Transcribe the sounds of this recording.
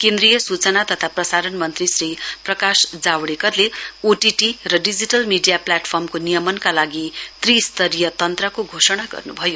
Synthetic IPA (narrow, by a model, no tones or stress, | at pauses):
kẽnd̪ɾijʌsut͡sʌnat̪ʌt̪ʰaprʌsaɾʌnmʌnt̪risriprʌkasd͡zawɽekʌrleoʈiʈirʌɖid͡ziʈʌlmiɖijaplaʈpʰʌrmkonijʌmʌnkalaɡit̪rist̪ʌɾijʌt̪ʌnt̪rʌkoɡʱosʌɽ̃aɡʌ̰rnubʱʌjo